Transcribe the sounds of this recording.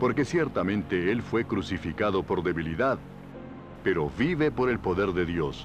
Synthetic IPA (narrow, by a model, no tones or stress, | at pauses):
po̞ɾke̞sjeɾt̪amẽnt̪eelfwe̞kɾusifikaðo̞po̞ɾðe̞βiliðað | pe̞ɾo̞βiβe̞po̞ɾe̞lpo̞ðe̞ɾðe̞ðjo̞s